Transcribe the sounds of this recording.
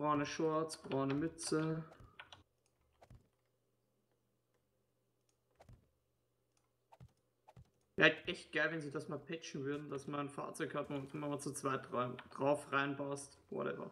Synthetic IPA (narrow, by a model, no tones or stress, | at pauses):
bʁaʊnəʃʊɐt͡sb̥ʁaʊnəmʏt͡sə | laɪɡ̚tʔɛçt̚ɡ̥aɪlvɛnziːdasmaːlpʰɛt͡ʃn̩vʏɐdn̩dasmaːnfa̰ːɐt͡sɔʏkhatonʔɪmɐmaːt͡sut͡sv̥aɪtʁɡ̥ʁaʊfʁaɪnbastvo̰lɛ̰bɐ̰